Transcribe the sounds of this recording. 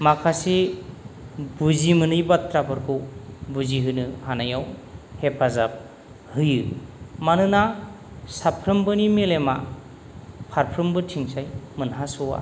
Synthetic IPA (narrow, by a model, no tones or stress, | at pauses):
makʰasi | buzimɯnɯjbatɾabʰɯɾkʰɯwbuziɦɯnɯhanajawhepʰazap̚ | hɯjɯmanɯna | sapʰɾɯmbɯnimelema̰ | pʰaɾpʰɾɯmbɯtʰiŋsajmɯnɦasɯwa̰